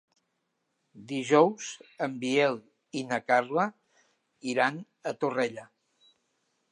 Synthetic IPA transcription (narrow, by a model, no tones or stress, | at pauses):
d̪iʒɔwz̥əmbielˠ | inəkarlə | iɾan | ət̪urɛʎə